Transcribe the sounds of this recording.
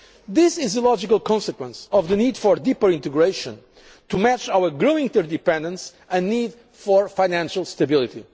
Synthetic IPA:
ðɪsɪzðəlɔd͡ʒɪkəlˠkɔ̃nsəkwə̃nsɔvðɨnid̪fɔɾd̪ipəɾĩnt̪ɨɡɹeʃə̃n | t̪umæt͡ʃawəɾɡɹowĩŋt̪əɾd̪ipɛ̃nd̪ə̃ns | ɨ̃nːid̪ | fɔɹfajnæ̃nʃəlˠst̪ɐbɪlˠiti

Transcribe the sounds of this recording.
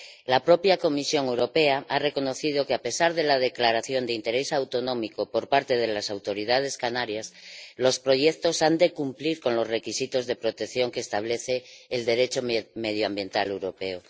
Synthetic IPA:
lapɾo̞pjako̞misjo̞ŋe̞wɾo̞pe̞aʔare̞ko̞no̞θið̞o̞keape̞saɾðe̞lað̞e̞klaɾaθjo̞nd̪eint̪e̞ɾe̞sawt̪o̞nõ̞mikopo̞ɾpaɾt̪e̞ð̞e̞lasawt̪o̞ɾið̞að̞e̞skanaɾjaslo̞spɾo̞ʝek̚t̪o̞sand̪e̞kumpliɾko̞nlo̞zre̞kisit̪o̞zðe̞pɾo̞t̪ekθjo̞ŋkeːst̪aβle̞θeːld̪e̞ɾe̞t͡ʃo̞meðjoambje̞nt̪ale̞wɾo̞pe̞o

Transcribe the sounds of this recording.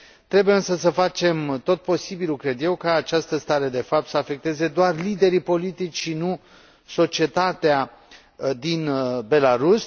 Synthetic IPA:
t̪ɾe̞bujeɨnsəsəfat͡ʃe̞mt̪o̞t̪̚po̞sibilukɾe̞d̪je̞wkaːt͡ʃast̪əst̪aɾe̞d̪e̞fap̚t̪səafe̞k̚t̪e̞ze̞d̪oarlid̪e̞ɾipo̞lit̪it͡ʃʲʃinu | so̞t͡ʃie̞t̪at̪ea | d̪inbe̞laɾus

